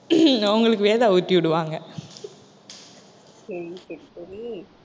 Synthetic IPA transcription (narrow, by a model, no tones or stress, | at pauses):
ɐɐŋɡɐɭɯkːɯʋeːðaːʊʈːiʋɪɽɯʋaːŋɡɐ | sɐɾisɐɾisɐɾi